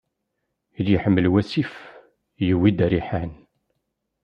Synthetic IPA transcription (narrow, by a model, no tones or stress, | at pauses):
id̪jəħəmːəlwæsif | jəwːid̪ɾiħan